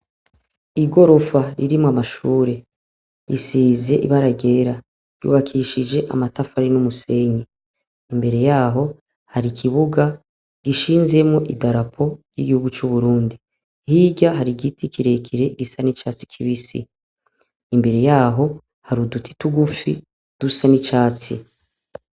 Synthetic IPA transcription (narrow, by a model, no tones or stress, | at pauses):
iɡo̞ɾo̞faɾiɾimwamaʃuːɾe̞ | ɾisiːze̞ʔḭβaɾaɡe̞ːɾa | jṵːβakʰiʃid͡ʒe̞ʔa̰matafaɾinumuse̞ɲe | imbe̞ɾe̞jaːɦo̞ | haɾikʰiβuɡa | ɡ̥iʃiːnze̞mŋoʔidaɾapʰo̞ɾjḭɡihuɡut͡ʃuβuɾuːndi | hiːɟaɦaɾiɡitikʰiɾe̞kʰiɾe̞ɡisanit͡ʃaːt͡si̥kʰiβisḭː | mbe̞ɾe̞jaːɦo̞ | haɾudutʰi̥tuɡufi | d̥usanit͡ʃaːt͡sḭ